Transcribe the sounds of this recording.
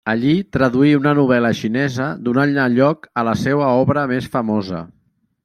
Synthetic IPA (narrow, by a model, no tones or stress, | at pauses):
əʎit̪ɾəðuiunənuβɛləʃinɛzəd̪unaaʎɔkələsɛwəɔβɾəmesfəmɔzə̰